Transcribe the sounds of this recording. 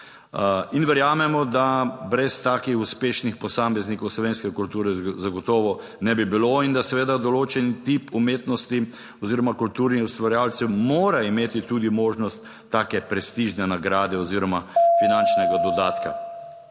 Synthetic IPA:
inʋɛɾjaːmɛmɔd̪abɾɛst̪aːkixuspeːʃnixpɔsaːmɛznikɔwslɔʋeːnskɛkult̪uːɾɛzaɡɔt̪ɔːʋɔ | nɛbibiloind̪asɛʋeːd̪ad̪ɔloːt͡ʃɛnit̪ipumeːt̪nɔst̪i | ɔziːɾɔmakult̪uːɾnixust̪ʋaɾjaːlt̪sɛwmoːɾaimeːt̪it̪uːd̪imoːʒnɔst̪ːaːkɛpɾɛst̪iʒnɛnaɡɾaːd̪ɛɔziːɾɔmafinant͡ʃnɛɡad̪ɔd̪aːt̪ka̰

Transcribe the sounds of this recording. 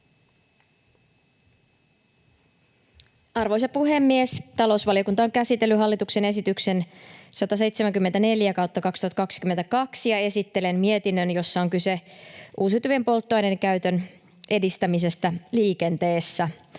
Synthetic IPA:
ɑrʋo̞js̬ɑpuɦe̞mːiest̪ɑlo̞usʋɑlio̞kunt̪ɑoŋkæsit̪elːyɦɑlːit̪ukse̞ne̞sit̪ykse̞nsɑt̪ɑse̞jt̪semæŋkymːent̪æne̞ljækɑwt̪ːɑkɑkst̪uhɑt̪ɑkɑksi̥kyme̞nt̪ækɑksijɑe̞sit̪ːele̞mmie̞t̪inːønjo̞sːɑoŋkyseʔuːsyt̪yʋempo̞lt̪ːojnenkæyt̪øn | ʔe̞dist̪æmis̬e̞st̪æliːke̞nt̪e̞ːsːæ

